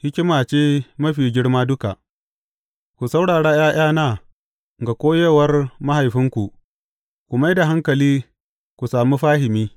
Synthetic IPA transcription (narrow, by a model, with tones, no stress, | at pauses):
hɪ˦kʲɪ˦maː˨t͡ʃeː˦mɐ˦ɸiː˨ɡʲɪ˦ɽmaː˦dʊ˦ka˨ʔ | kʷu˨sa˦wɽaː˨ɽaː˦j̰aː˦j̰ʔaː˦naː˦ | ŋɡa˨kʷoː˦je˦wɐ˦rma˦ha˨jɸɪ˦ŋkʷu˨ʔ | kʷu˨ma˦jda˨ɦa˦ŋkɐ˨liː˦ | kʷu˨saː˨muː˦ɸaː˦ɦɪ˨miː˦